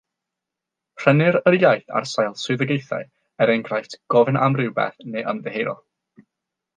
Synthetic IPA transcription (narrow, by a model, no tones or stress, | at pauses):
pʰr̥ənɪɾəɾjajθa̰rsajlˠsʊɨðəɡejθa̰ɨ | ɛɾɛŋɡrajtɡ̥ɔvɪnamrɪwbɛ̰θneʔəmðɛɦejɾɔ̰